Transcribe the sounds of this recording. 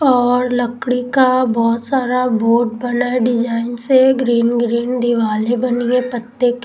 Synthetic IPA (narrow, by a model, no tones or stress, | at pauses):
ɔːɾlɐkɽikabɔːt̪saːɾaboːʈ̚bɐnaɖɪd͡ʒaːɪnseɡɾiːnɡɾiːnd̪ɪʋaːlẽbɐniẽpət̪ːek